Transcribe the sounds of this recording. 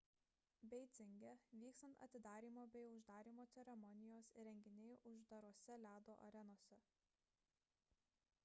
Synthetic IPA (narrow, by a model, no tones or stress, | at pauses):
bʲɛɪt̪sʲɪŋʲɡʲɛʋʲiːkst̪ɐnt̪ɐ̰t̪ʲɪd̪ɑːɾʲiːmoːbʲɛɪʊʒd̪ɑːɾʲiːmoːt̪sʲɛɾʲɛmɔnʲɪjoːsɾʲɛŋʲɡʲɪnʲɛɪʔʊʒd̪ɐɾuɔsʲɛlʲæːd̪oːʔɐ̰ɾʲɛnoːsʲɛ